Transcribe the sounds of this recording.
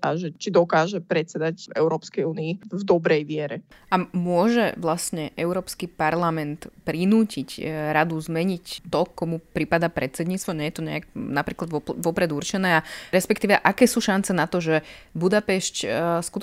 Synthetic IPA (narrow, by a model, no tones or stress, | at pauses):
aʒɛt͡ʃid̪ɔkaːʒɛpɾɛt̪t͡sɛd̪acɛ̰ʊɾɔːpskɛjuːniivd̪ɔbɾɛjʋɪɛɾɛamʊɔʒɛ̰ʋlastɲɛʔɛʊɾɔːpskipaɾlamɛnt̪pɾinuːcicɾad̪uzmɛɲict̪ɔkɔmupɾipad̪apɾɛt̪t͡sɛd̪ɲiːt͡st̪ʋɔɲɛjɛt̪ɔɲɛ̰aɡ̚napɾiːklad̪ʋɔpʋɔpɾɛd̪uɾt͡ʃɛnɛːaɾɛspɛkt̪iːʋɛʔakɛːsuːʃant͡sɛnat̪ɔʒɛbud̪apɛʃcskut̪